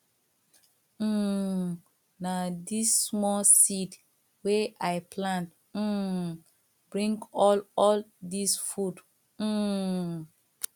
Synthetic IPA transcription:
nadisːmɔlsid | weʔajpʰlãnt̩ | bɹĩŋɡɔlɔldisfud̩

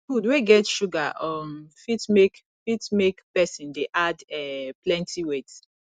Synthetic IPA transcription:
fudweɡɛtʃuɡaʔɔmfitmek | fitmekpɛsĩndeʔadɛplɛ̃ntʰiwet

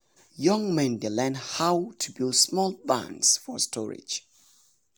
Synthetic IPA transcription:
jʌ̃ŋmɛ̃ndelɛ̃nhaʊtʰubilˠsmɔlˠbã̰nsfɔstʰɔɹɪ̰̥d͡ʒ

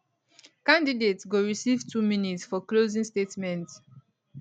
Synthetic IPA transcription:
kãndidetɡoɹisivtʰuminitsfɔklozĩŋstetmɛ̃nt

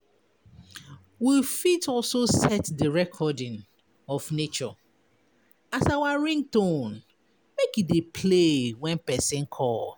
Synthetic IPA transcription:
wifitʰɔlsosɛtdəɹɛkʰɔdɪ̃n | ɔfnet͡ʃɔ̰ | asawaɹɪ̃ŋtõn | mekidepʰlewɛ̃npɛsɪ̃nkʰɔl

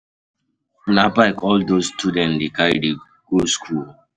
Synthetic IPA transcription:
nabaɪkɔldostʰudɛ̃ndekaide | ɡ̥oskʰul

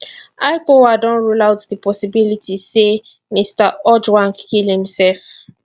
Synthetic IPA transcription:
aɪpowadɔ̃nɹulawtdəpɔsibilitʰise | mistaɔdwãnkʰilhĩmsɛlf

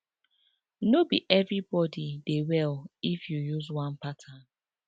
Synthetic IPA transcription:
nobiʔɛvɹibɔdidewɛlifjujuzwãnpatʰan

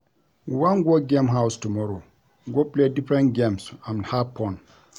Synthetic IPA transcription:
wãŋɡʷɔɡɛ̃mɦawstumɔɾo | ŋɡʷɔpledifɾɛ̃nɡɛ̃msãmnhapʰːɔ̃n

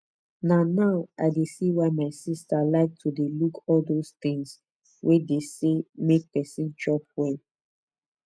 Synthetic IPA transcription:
nanaʊʔa̰ɪdesiwaɪmaɪsistalaɪk̚tʰudelukɔldost̪ĩŋs | wʔedesemek̚pɛsĩnd͡ʒɹɔp̚wɛl

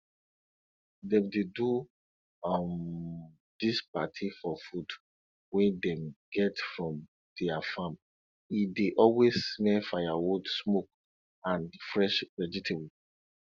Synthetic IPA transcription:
dɛ̃mdedu | ɔm | dispatʰifɔfud | wɛ̃ndɛ̃mɡɛtfɹɔ̃m | d̥ɛafãm | ideʔɔlwesːmɛlfajawudsmok̚ | ãnfɹɛʃɹɛd͡ʒitʰebu

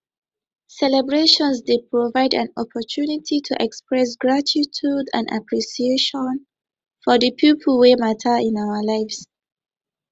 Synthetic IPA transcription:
sɛlɛbɹeʃɔ̃nzdepʰɹɔvaɪdã̰nɔpʰɔtʰunitʰitʰuʔɛkspɹɛs̬ɡɹatitʰudã̰nda̰pʰɹisieʃɔ̃n | fɔðəpʰjipʰl̩wematʰəĩnaʊəlaɪfs

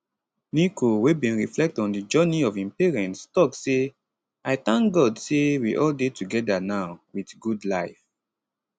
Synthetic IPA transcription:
nikʰowebĩnɹiflɛk̚tɔ̃ndid͡ʒɜniɔvĩnpiɹɛ̃ntstɔkse | aɪθãŋkɡɔdsewiʔɔldetuɡɛdanaʊwidɡudlaɪf

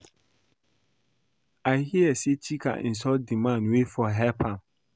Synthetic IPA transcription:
aɪhiɛset͡ɕʰikʰa̰n̩s̬ɔdimãnwefɔɦɛpʰãm

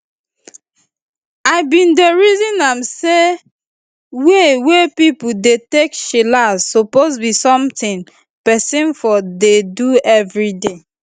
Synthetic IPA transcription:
aɪbĩndeɹizĩnamse | wewepipudetekʃilazsopozbisɔ̃mtĩn | pɛsĩnfɔdeduɛvɹide

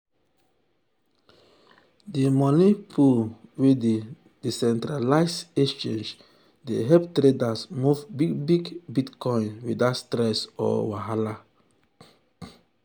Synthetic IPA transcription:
dimɔnipʰulwede | disɛ̃ntɾalaɪset͡ʃẽnd͡ʒ | deɦɛptɾedasmuvbiɡbiɡbitkɔ̃ĩnwidatstɾɛsɔ̰waɦala

